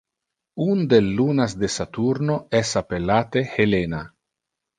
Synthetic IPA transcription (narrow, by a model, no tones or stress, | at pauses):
und̪elːunasd̪esat̪uɾnoɛsapelat̪ehelena